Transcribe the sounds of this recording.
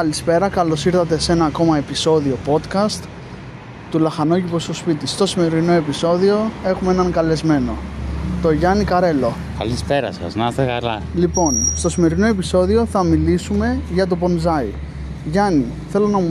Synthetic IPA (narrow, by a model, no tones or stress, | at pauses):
kɐlispe̞ɾɐkɐlo̞siɾθɐt̪̬e̞se̞nɐːko̞mɐe̞piso̞ðiopo̞t̪kɐst̪ | t̪ulɐxɐnoʝipost̪ospit̪ist̪o̞sime̞ɾino̞e̞piso̞ðio̞e̞xumeenɐŋkɐle̞zme̞no̞t̪o̞ʝɐnikɐɾe̞lo̞ | kɐ̰lispeɾɐ̰sɣɐ̰znɐst̪eka̰lɐ̰lipo̞nst̪o̞sime̞ɾino̞e̞piso̞ðio̞θɐmilisume̞ʝɐt̪̬o̞po̞nzɐi | ʝɐni | θe̞lo̞nɐmu